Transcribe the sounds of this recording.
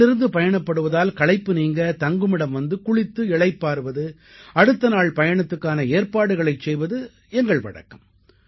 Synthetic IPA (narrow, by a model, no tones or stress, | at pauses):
ɪɾɯnd̪ɯpɐjɐɳɐpːɐɽɯʋɐðaːlkɐɭɐɪpːɯniːŋɡɐt̪ɐŋɡɯmɪɽɐmʋɐnd̪ɯkʊɭɪt̪ːɯɪɭɐɪpːaːɾɯʋɐðɯ | ɐɽɯt̪ːɐnaːɭpɐjɐɳɐt̪ːɯkːaːnɐeːɾpaːɽɯɣɐɭɐɪt͡ʃsɛjʋɐðɯ | ɛŋɡɐɭʋɐ̰ɽɐ̰kːɯm